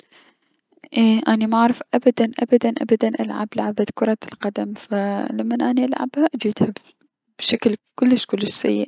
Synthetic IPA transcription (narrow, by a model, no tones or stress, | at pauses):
ʔeːʔanimaʕɾˤɪfʔabad̪anʔa̰bad̪anʔa̰bad̪anʔa̰lʕa̰blaʕabakʊɾˤɑlqɑd̪amfalamːanʔaniʔalʕa̰bhaʔad͡ʒiːd̪ha | b̥ʃaklkʊlːɪʃkʊlːɪʃsajːɪ̰ʔ